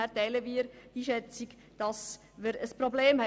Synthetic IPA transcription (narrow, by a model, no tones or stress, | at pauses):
æɾtɛɪləmiːɾd̥iʃɛt͡sɪɡ | d̥ɑs | məɾəspɾobleːmhɛ